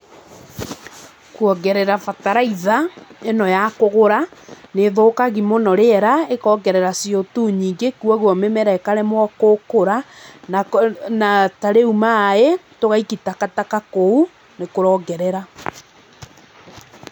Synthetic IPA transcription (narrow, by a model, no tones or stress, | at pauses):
kwɔɡɛɾɛɾafataɾaiðaenɔjakoɣoɾaneðoːkaɣimonɔɾeɛɾaekɔɡɛɾɛɾasijotuɲiːŋɡekwɔɣɔmemɛɾɛkaɾɛmwɔkokoɾa | nataɾeumaetoɣaikitakatakakou | nekoɾɔɡɛɾɛɾa